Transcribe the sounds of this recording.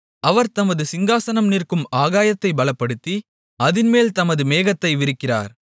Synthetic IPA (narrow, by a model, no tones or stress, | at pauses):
ʔɐʋɐɾt̪ɐmɐðɯsɪŋɡaːsɐnɐmnirkɯmaːɣaːjɐt̪ːɐɪbɐɭɐpːɐɽɯt̪ːi | ɐðɪnmeːlt̪ɐmɐðɯmeːɣɐt̪ːɐɪʋɪɾɯkːɪra̰ːɾ